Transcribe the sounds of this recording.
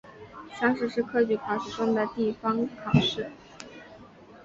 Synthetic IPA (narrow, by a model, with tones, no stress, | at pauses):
ʂɑ˥˧ŋʂɻ̩˥˧ʂɻ̩˥˧kʰɤ˥t͡ɕy˧˩kʰɑ˨˩ʂɻ̩˥˩ʈ͡ʂʊ˥ŋd̪ə˨t̪i˥˩fɑ˥ŋkʰɑ˨˩ʂɻ̩˥˩